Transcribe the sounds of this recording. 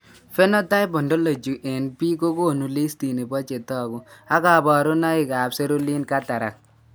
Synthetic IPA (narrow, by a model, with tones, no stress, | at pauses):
fe˦nɔ˦ta˦ɪ˦bɔ˨ndo˦lo˨d͡ʒu˨ʔe˨npi˦ko˦ko˦˨nu˨li˦sti˨ne˨bɔ˦t͡ʃe˨tɔ˦˨ɡʊ˨a˦ka˨bɔ˨ɾʊ˦na˦ɪ˨ka˨pse˦ɾu˦li˦nka˦ta˨ɾa̰˨k̚